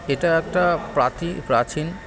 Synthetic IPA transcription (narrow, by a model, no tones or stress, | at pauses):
eʈaɛk̚ʈapɾat̪ipɾat͡ɕin